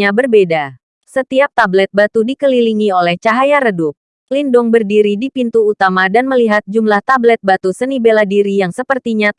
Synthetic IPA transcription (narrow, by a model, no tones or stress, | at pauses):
abərbeda | sət̪iap̚t̪ablɛt̪̚bat̪udikəliliŋiolɛht͡ʃaɦajaɾədup̚ | lindʊŋbərdiɾidipint̪uːt̪amadanməliɦat̪̚d͡ʒumlaht̪ablɛt̪̚bat̪usənibeladiɾijaŋsəpərt̪iɲa